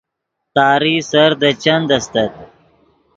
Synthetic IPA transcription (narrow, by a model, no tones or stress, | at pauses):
t̪aːɾisɐɾd̪ɐt͡ʃɐnd̪ɐst̪ɐt̪̚